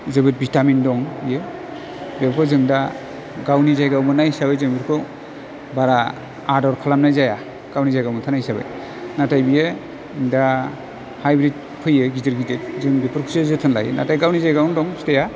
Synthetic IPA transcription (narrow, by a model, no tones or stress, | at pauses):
zɯbɯt̚bitamindɔŋje | bebkʰɔzɯŋda | ɡawnizajɡawmɯnajsabɯjzɯŋbiɾkʰɔ | baɾaː | dɔɾkʰalamnajzaja | ɡ̥awnizajɡawmɯtʰanajsabɯ̰j | natajbije | ŋda | hajbɾit̚ | pʰɯjɯɡitɯɾɡitet̚zɯŋbipuɾkʰsezɯtʰɯnla̰j̰na̰tajɡawnizajɡawndɔŋsteja